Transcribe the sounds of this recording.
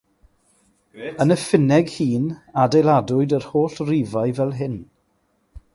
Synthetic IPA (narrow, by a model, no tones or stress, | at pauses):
ənəfɪnɛɡhiːnadejlˠadʊɨdərhoːɬriːvajvɛlˠɦɪn